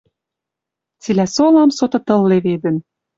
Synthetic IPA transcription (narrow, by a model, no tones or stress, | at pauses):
t͡silæsolɑmsot̪ɤ̆t̪ɤ̆lːeβed̪ə̆n